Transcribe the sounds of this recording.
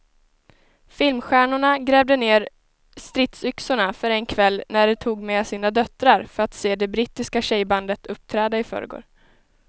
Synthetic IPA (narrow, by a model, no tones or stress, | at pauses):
fɪlmɧæːɳʊɳaɡɾeːvd̪əneːɾ | st̪ɾɪt̪sʏksʊɳafœɾɛnkʰvɛlːnæɖɛt̪ʰuːɡmɛsiːnad̪œt̪ɾaɾfœɾat̪seːd̪ɛbɾiːt̪ːɪskaɕɛjband̪ət̪ʰɵp̚ːt̪ʰɾɛːd̪aɪfœ̰ːɾə̰ɡo̰ːɾ